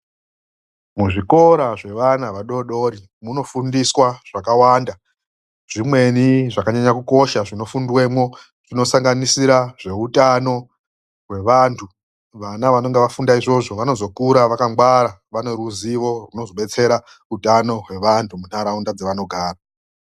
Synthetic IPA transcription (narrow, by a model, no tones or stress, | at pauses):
muʐiko̞ɾaʐe̞ʋanaʋaɗo̞ɗo̞ɾi | muno̞fundiswaʐ̥akawaːnda | ʐ̥imwe̞niʐakaɲaɲakuko̞ʃaʐino̞fundwe̞mwo̞ | ʐ̥ino̞saŋɡanisiɾaʐe̞utano̞ | ɦwe̞ʋantʰu | ʋanaʋano̞ŋɡeʋafundaiʐo̞ʐo̞ʋano̞zo̞kuɾaʋakaŋɡwaɾaʋaneruziʋo̞runo̞zo̞ɓet͡se̞ɾa | utano̞ɦwe̞ʋantʰumun̥aɾaundad͡zeʋano̞ɡʱaːra